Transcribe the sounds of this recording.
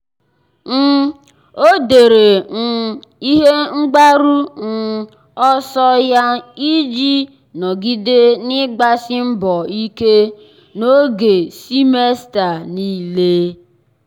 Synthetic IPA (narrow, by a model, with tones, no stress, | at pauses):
n̩˦ | o˦de˨ɾe˨n̩˨ | i˦ɦe˦ŋ͡m̩˦ɡ͡ba˦ɾu˦n̩˦ | ɔ˦sɔ˦ja˦i˦d͡ʒi˦ | nɔ˨ɡi˦de˦nɪ˦ɡ͡ba˦sɪ˦m̩˦bɔ˨i˦ke˦ | no˦ɡe˨si˦me˦sta˨ni˦le˦